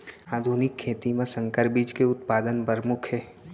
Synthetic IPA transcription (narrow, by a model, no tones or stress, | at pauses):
aːd̪ʱunɪkʰːeːt̪imẽsə̃ŋkəɾbiːd͡ʒkeʊt̪paːd̪ənpəɾmʊkʰɦɛː